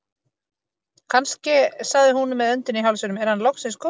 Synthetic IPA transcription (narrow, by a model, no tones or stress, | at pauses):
kʰanscɪsaɣðɪhunmɛðœnt̪ʏniɦalsʏnʏmɛɾ̥hanlowxsɪ̃nskʰo